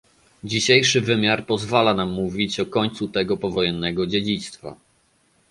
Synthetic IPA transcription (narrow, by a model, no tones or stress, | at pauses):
d͡ʑiɕejʂɘvɘmʲjaɾpɔzvalanamːuvʲit͡ɕɔkɔɲt̪sut̪ɛɡɔpɔvɔjɛnːɛɡɔd͡ʑed͡ʑit̪st̪fa̰